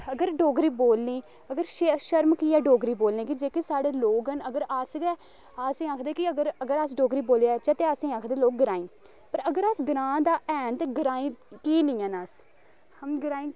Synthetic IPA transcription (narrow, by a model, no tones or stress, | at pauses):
əɡəɾɖoːɡɾiːboːlnĩː | əɡəɾʃʃəɾmkiːɛːɖoːɡɾiːboːlnẽːkid͡ʒeːkisaːɽeːloːɡənəɡəɾaːsɡɛː | aːsĩːaːkʰd̪eːkiəɡəɾəɡəɾaːs̬ɖoːɡɾiːboːlejaːt͡ʃɛt̪eːaːsĩːaːkʰd̪eːloːk̚ɡəɾãːĩː | pəɾəɡəɾaːsɡɪɾãːd̪aːʔɛːnt̪eːɡəɾaːĩːkiːnĩːãːnaːs | həmɡəɾaːĩː